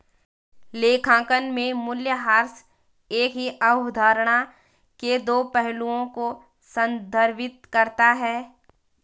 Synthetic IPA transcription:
leːkʰãːkənmẽmʊljəɦaːɾs | eːkɦiʔɐʊd̪ʱaːɾɽ̃a | ked̪oːpɛɦluõko | sə̃nd̪ʱəɾʋɪt̪̚kɐɾt̪aɦɛː

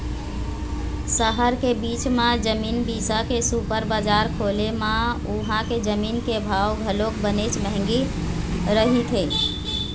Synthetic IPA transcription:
səɦəɾkebit͡ʃmãd͡ʒəmiːnbisakesupəɾbad͡ʒaɾkʰolemãuɦãked͡ʒəminkebʱawɡʱəlokbənet͡ʃməɦŋɡi | ɾəɦit̪ʰe

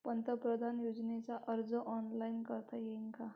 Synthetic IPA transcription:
pənt̪əpɾəd̪ʱanjud͡znet͡saʔəɾd͡zəʔɔnlainkəɾt̪ajeŋka

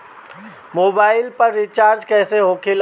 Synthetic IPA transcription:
moːbaːɪlpɐɾːit͡ʃaːɾd͡ʒkɛːseɦoːkʰɪl

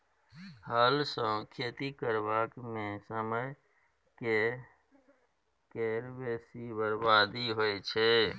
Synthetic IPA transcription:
həlsə̃kʰet̪ikəɾbakmẽsəməj | ke | keɾbesibəɾbad̪iɦojt͡ʃʰɛ

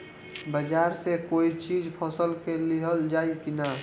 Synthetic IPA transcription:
bəd͡ʒaɾsekoit͡ʃid͡ʒpʰɔsəlkeliɦəld͡ʒaikina

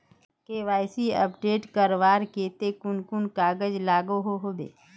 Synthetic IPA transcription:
keːʋaːɪsiə̰pɖeːʈkəɾʋaːɾkeːt̪ekʊnkʊnkaːɡəd͡ʒlaːɡoɦoɦoːd̪ḛː

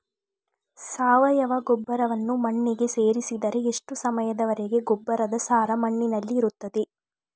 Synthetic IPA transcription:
saːʋɐjɐʋɐɡɔbːɐɾɐʋɐnːumɐɳːiɡe̞se̞ːɾisid̪ɐɾe̞eʂʈusɐmɐjɐd̪ɐʋɐɾeɡe̞ɡɔbːɐɾɐd̪ɐsaːɾɐmɐɳːinɐlːiːɾut̪ːɐd̪e

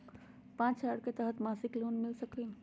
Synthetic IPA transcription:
pãːt͡ʃaːɽket̪əɦət̪masɪkloːnmɪlsəkli

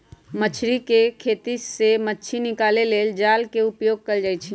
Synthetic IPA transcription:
mət͡ʃʰɾikekʰet̪isemətːt͡ʃʰinikaleleːld͡ʒalkeupjoːɡ̚kəld͡ʒaːjt͡ʃʰi

